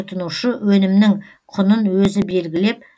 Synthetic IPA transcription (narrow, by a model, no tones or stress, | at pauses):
ʊt̪ənuʃəwɵnɪmnɪŋ | qʰʊnənwɵzɪbe̞lɡʲɪle̞p̚